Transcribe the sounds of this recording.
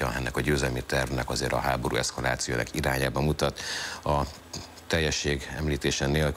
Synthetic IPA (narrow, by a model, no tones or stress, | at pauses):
ɒɛnːɛkɒɟøːzɛlmit̪ɛrvnɛkɒzeːɾɒ̰ɦaːbo̞ɾṵːɛskɒla̰ːt̪sijo̰ːnɛ̰kiɾaːɲaːbɒmut̪ɒt̪ɒ | t̪ɛjːɛʃːeːɡɛmliːt̪eːʃɛneːlk